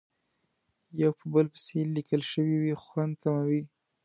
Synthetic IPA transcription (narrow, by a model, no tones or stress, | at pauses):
jawpəbəlpə̥selikʰəlʃəwiwixwand̪̚kamawi